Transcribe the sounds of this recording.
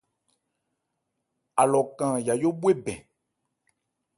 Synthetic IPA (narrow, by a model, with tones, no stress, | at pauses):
a˨lɔ˨kã˨ja˨jo˦be˦bɛ̰̃˨